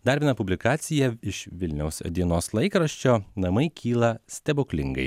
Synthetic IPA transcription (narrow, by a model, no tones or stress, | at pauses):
d̪ɐˑɾʲbʲɪnɐpʊbʲlʲɪkɑːt̪sʲɪjɛɪʃʋʲɪlʲnʲɛʊsd̪ʲiɛnoːslˠɐɪkɾɐʃʲt͡ʃʲoːnɐmɐɪkʲʰiːlˠɐsʲt̪ʲɛbʊkʲlʲɪŋɡɐ̰ɪ